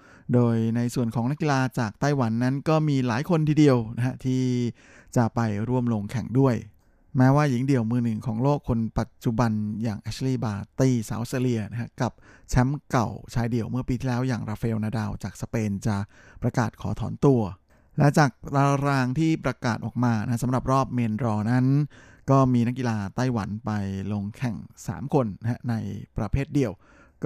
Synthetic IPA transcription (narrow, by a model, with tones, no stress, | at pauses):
doː˧jna˧jsu˨˩ənkʰɔː˩˦ŋna˦˥ki˧laː˧t͡ɕaː˨˩k̚t̪a˥˩jwa˩˦nːa˦˥nkɔː˥˩miː˧laː˩˦jkʰo˧nt̪ʰiː˧di˧əwna˦˥kʰa˦˥t̪ʰiː˥˩ | t͡ɕa˨˩ʔpa˧jɾu˥˩əmlo˧ŋkʰɛ˨˩ŋdu˥˩əj | mɛː˦˥waː˥˩ji˨˩˦ŋdi˨˩əwmɯː˧nɯ˨˩ŋkʰɔː˩˦ŋloː˥˩kʰːo˧npa˨˩t̪̚t͡ɕu˨˩ba˧njaː˨˩ŋʔɛː˦˥sʰliː˥˩baː˧t̪iː˥˩sa̰ː˩˦wʔst̪eː˧li˧əna˦˥kʰa˦˥ka˨˩p̚t͡ɕʰɛ˦˥mka˨˩wt͡ɕʰaː˧jdi˨˩əwmɯ˥˩ɐpiː˧t̪ʰiː˥˩lɛː˦˥wjaː˨˩ŋɾaː˧feː˧wnaː˧daː˧wt͡ɕaː˨˩k̚sa˧peː˧nt͡ɕa˨˩ | pɾa˧kaː˨˩t̪̚kʰɔː˩˦t̪ʰɔː˩˦nt̪u˧ɐ | lɛ˦˥t͡ɕaː˨˩k̚ɾa˧ɾaː˧ŋt̪ʰiː˥˩pɾa˧kaː˨˩t̪̚ʔɔ̰ː˨˩k̚maː˧na̰˧˥a˦˥sa˩˦mɾa˨˩p̚ɾɔː˥˩p̚meː˧nɾɔː˧na˦˥n | kɔː˥˩miː˧na˦˥k̬ːi˧laː˧t̪a˥˩jwa̰˩˦npa˧jlo˧ŋkʰɛ˨˩ŋsa̰ː˩˦mkʰo˧nːa˦˥hʰa˦˥na˧jpɾa˧pʰeː˥˩t̪̚di˨˧˩əw | k